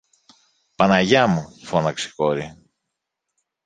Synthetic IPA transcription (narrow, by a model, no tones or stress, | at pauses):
pɐnɐʝɐmufo̞nɐksi̥ko̞ɾi